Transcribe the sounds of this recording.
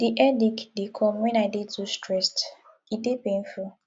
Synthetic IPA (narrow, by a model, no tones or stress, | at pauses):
d̥iʔɛdikdekʰɔmwɛ̃naɪdetustɹɛst | idepẽn̩fu